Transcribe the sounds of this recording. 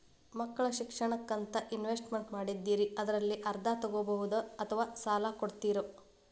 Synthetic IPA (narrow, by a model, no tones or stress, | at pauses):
mɐkːɐɭɐʃikʂɐɳɐkːɐnt̪ɐʔinʋesʈmeɳʈmaːɽid̪ːiːɾiɐd̪ɐɾɐlːiʔɐɾd̪ʱat̪ɐɡoːbɐɦud̪uɐt̪ʰɐʋaːsaːlakoɽt̪iːɾu